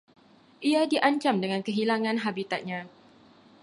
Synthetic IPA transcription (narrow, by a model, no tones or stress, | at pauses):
ʔiadiʔaɲt͡ʃamdəŋãnkəɦilaŋãnɦabit̪at̪̚ɲã